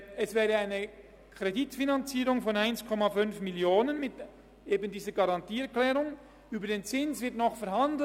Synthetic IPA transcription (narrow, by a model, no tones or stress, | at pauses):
ɛsvɛːʁəaɪnə | kʰʁ̥editfinant͡siːʁʊŋfɔnaɪnskʰɔmafʏnfmɪljoːnənmɪt | eːbəndiːzəɡɑʁɑntiːɛʁklɛːʁʊŋ | yːbədeːnt͡sɪnsvɪɐtnɔχfɛɐhandl̩